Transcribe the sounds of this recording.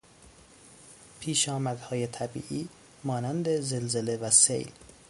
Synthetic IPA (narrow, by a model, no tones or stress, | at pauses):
pʰiːʃɒːmæd̪hɒːje̞t̪ʰæbḭːʔiː | mɒːnænd̪ezelzele̞væsḛjl